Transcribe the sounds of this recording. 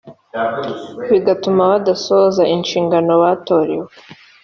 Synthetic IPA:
βiɡatumaβadasoːzaʔinʃiːŋɡano̞waːto̞ːɾḛwe

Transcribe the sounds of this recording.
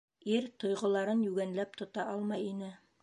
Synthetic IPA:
iɾt̪ŏjʁŏlˠɑɾɤnjʉɡænlæp̚t̪ŏt̪ɑʔɑlˠmɑjinɘ

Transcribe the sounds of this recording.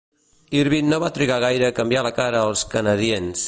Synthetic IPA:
iɾβinːoβat̪ɾiɣaɣ̞ajɾəːkəmbjaləkaɾəːlˠskənəðiens

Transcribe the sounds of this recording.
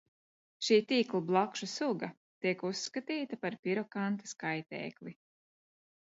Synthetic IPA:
ʃiːt̪iːklˠublˠakʃusuɡa | t̪iɛkuskat̪iːt̪apaɾpiɾɔkant̪ḁskajt̪ɛ̰ːklˠi

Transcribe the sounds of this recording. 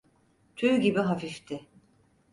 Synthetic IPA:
t̪ʰyɟibiɦafift̪ʰɪ

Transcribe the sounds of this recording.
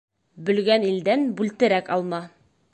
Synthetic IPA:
bɵ̆lɡænild̪ænbʉlt̪ɘ̆ɾækɒlˠmɑ

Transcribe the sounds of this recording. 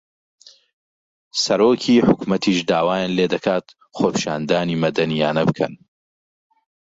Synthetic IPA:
sɐɾoːkʰiːħʊkmɐt̪ʰiːʃd̪aːwaːjaːnleːd̪ɐkʰaːt̪ | xoːpʰi̥ʃaːnd̪aːniːmɐd̪ɐnijaːnɐbɨkʰɐ̰n

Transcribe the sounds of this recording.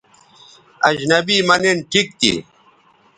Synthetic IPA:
ɐd͡ʑnɐbiːmɐnenʈʰik̚t̪ḭ

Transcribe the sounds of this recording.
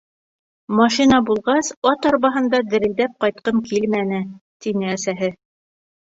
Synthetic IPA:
mɑʃinɑbulˠʁɑsɒt̪ɑɾβɑɦɤ̆nd̪ɑd̪ɘ̆ɾɘ̆ld̪æp̚qɑjt̪̚qɤmkilmænɘt̪inɘæsæɦɘ

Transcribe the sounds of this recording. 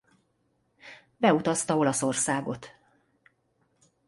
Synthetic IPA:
bɛut̪ɒst̪ɒo̞lɒso̞rsaːɡo̞t̪

